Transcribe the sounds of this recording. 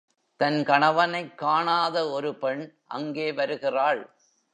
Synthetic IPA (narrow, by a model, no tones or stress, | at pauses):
t̪ɐnkɐɳɐʋɐnɐɪkːaːɳaːðɐɔɾɯpɛɳʔɐ̰ŋɡeːʋɐɾɯɣɪraːɭ